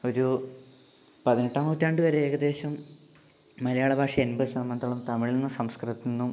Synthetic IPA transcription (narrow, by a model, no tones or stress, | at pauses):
o̞ɾu | pɐðineʈːaːmuːtːaːɳɖɨʋɐɾeeːɣɐd̪e̞ːɕɐmː | ɐlɐjaːɭɐbʱaːkʂɐenbɐsɐmːɐnd̪ʱɐɭɐmt̪ɐmiɭilnenːɨsɐmskrɨt̪ːinnːum